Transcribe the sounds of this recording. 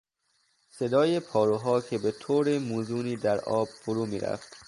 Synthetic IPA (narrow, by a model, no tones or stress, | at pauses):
se̞d̪ɒːjepʰɒːɾuɦɒːkʰe̞be̞t̪ʰoːɾemuːzuːniːd̪æɾʔɒːb̥foɾuːmḭːɾæ̰ft̪